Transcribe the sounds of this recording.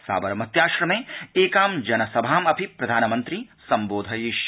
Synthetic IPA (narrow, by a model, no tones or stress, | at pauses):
sa̰ːbɐɾmɐt̪jaːʃɾɐmẽeːkaːmd͡ʒɐnɐsɐbʱaːmɐpʰipɾɐd̪ʱaːnɐmɐ̃nt̪ɾisɐ̃mboːd̪ʱɐjiʃ